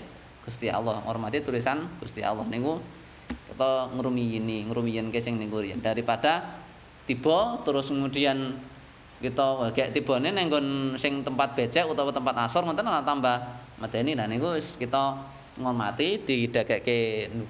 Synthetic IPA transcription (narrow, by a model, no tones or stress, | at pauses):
ɡ̥ust̪ia̰lɔhŋɔ̰rmat̪it̪ulisanɡ̥ust̪ia̰lɔhniku | kit̪ɔŋəɾumijiniŋəɾumijənkesɪŋnikuɾija̰nd̥aɾipad̥a | t̪ib̥ɔt̪uɾʊsŋudian | kit̪ɔwaɡ̥ɛʔt̪ib̥ɔ̤nenɛŋɡɔnsɪŋt̪əmpat̪̚b̥e̤̥t͡ʃɛʔut̪ɔwɔt̪əmpat̪asɔrŋɔnt̪ənalat̪ambahməd̪̥e̤nilahnikuskit̪ɔ | ŋɔrma̰t̪id̪̥iid̪̥akɛʔkenu